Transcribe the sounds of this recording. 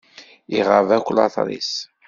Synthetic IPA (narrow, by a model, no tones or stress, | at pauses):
iʁəvækʷːlɑ̰θɾˤḭs